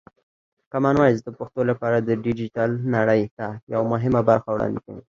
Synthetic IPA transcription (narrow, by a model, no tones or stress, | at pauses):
kamɑnwɑjzd̪əpʊxt̪olapɑɾad̪əɖid͡ʒiʈalnaɽəjt̪ajawmʊɦɪmabaɾxawɽɑ̰nd̪ikawi